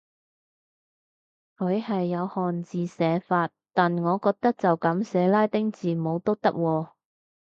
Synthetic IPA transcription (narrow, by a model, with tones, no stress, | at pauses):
kʰɵ˨˧ɥhɐ˨jːɐ˨˧whɔː˨nt͡siː˨sɛː˨˧faː˧t̚t̪aː˨nŋɔː˨˧kɔː˧k̚t̪ɐ˥k̚t͡sɐ˨wkɐ˨˧˥msɛː˨˧laː˥jt̪ɪ˥ŋt͡siː˨˩mo˨˧wt̪o˥wt̪ɐ˥k̚wɔː˧